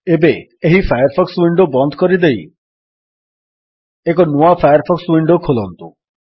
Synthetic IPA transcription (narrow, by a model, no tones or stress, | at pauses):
ebe | eɦifʰajɔɾpʰɔkswiɳɖobɔnd̪ʱkɔɾid̪ej | ek̬ɔnuapʰajɔɾpʰɔkswiɳɖokʰolɔnt̪ṵ